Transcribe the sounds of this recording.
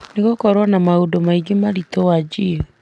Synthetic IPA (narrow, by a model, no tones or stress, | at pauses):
neɣokɔɾwɔnamaodomaiɡemaɾitɔwad͡ʒio